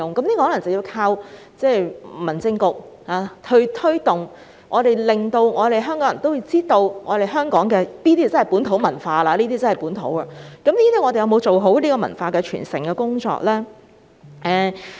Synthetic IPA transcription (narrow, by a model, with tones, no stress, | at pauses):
ʊ˨ŋkɐ˨˦mnli˥kːɔː˧hɔ˨˥lɐ˨˩ŋt͡sɐ˨wjiː˧wkʰaː˧w | t͡sɛː˥˩mɐ˨˩nt͡sɪ˧ŋkʊ˨k̚ | haː˨t̪ʰɵ˧ɥt̪ʰɵ˥t̪ʊ˨˩ŋ | ŋʔɔː˨˧t̪e˨jlɪ˨˩ŋt̪o˧wŋɔː˨˧ɾe˨jɦœː˥ŋkɔː˨˥ŋjɐ˨˩nt̪wji˧wt͡siː˥t̪o˧wŋɔ̰ː˨˧ɾe˨jɦœː˥ŋkɔː˨˥ŋkɛː˧niː˥i˥a˨t͡sɐ˥n˨jpuː˨˥nt̪ʰo˨˧˥wmɐ˨˩nfaː˧laː˧liː˥t̪̬iː˥t͡sɐ˥hɐ˨˩jpuː˨˥nt̪ʰo̰˨˥waː˧kɐ˨˥mniː˥t̪iː˥ŋɔ˨˧e˨jɐ˨˧wmo˨˧wt͡so˨wɦo˨˥wliː˥kɔː˧mɐ̰˨˩nfaː˧kɛ˧t͡ʃʰy̰ː˨˩nsɪ˨˩ŋkɛ˧kʊ˥ŋt͡sɔ̰ː˧k̚lɛː˥ | ʔɛː˨˧